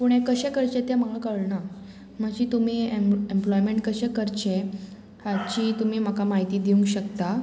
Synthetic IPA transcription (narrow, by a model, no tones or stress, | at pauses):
puɽ̃ekəɕekəɾt͡ɕet̪jeməɡɭəkəɭɳa | m̤əɡd͡ʑiːt̪umiːeemplɔjmeɳʈ̚kəɕekəɾt͡ɕe | hat͡ɕiːt̪um̤iːm̤akamaɦit̪iːd̪iũŋɡɕəkt̪a